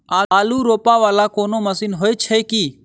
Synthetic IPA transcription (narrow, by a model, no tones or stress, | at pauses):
aːaːluːɾoːpaːʋaːlaːkoːnoːməsiːnɦoːet͡ʃʰɛkiː